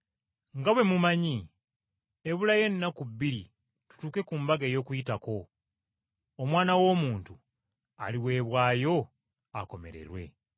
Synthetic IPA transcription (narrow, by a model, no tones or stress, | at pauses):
ŋɡaβwe̞mumaɲi | eβulaje̞nːakuβːiɾi | tu̥tuːke̞kumbaɡeːjo̞ːkujitako̞ | mwaːnawo̞ːmuːntu | a̰liwe̞ːβwaːjo̞ | a̰ko̞me̞̰ɾe̞̰ɾwe̞̰